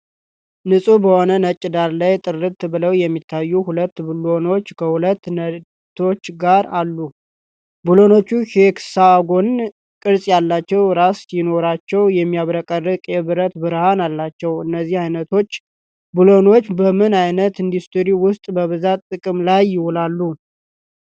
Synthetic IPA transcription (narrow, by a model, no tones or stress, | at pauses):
nɨsʼubəho̞nənət͡ʃʼːɪd̪aɾlajt̪ʼɨrːɨt̪ːɨbɨləwjɛmːit̪ʰːajːuhulət̪ːbɨlo̞no̞t͡ʃːkʰəhulət̪ːnə | t̪ʰːo̞t͡ʃːɡaɾalːu | bulo̞no̞t͡ʃːuʃeksaɡo̞n | kʼɨɾsʼjalːat͡ʃːɛwɾasjɪno̞ɾat͡ʃːɛwjɛmːijaβɾəkʼərːɨkʼjɛβɨɾət̪bɨɾhanalːat͡ʃːɛwɨnːəzːihajnət̪ʰo̞t͡ʃː | bɨlo̞no̞t͡ʃːbəmɨnajnət̪ɨnd̪ist̪ɨɾiwʊst̪ʼbəβɨzat̪t̪ʼːɨkʼɨmlajːɪwɔlalːu